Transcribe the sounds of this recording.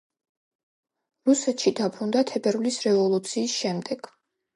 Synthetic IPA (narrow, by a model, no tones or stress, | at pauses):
ɾusɛt̪ʃid̪apʰɾund̪at̪ʰɛbɛɾulisɾɛvɔlˠut̪sʰiːsʃɛmd̪ɛɡ̥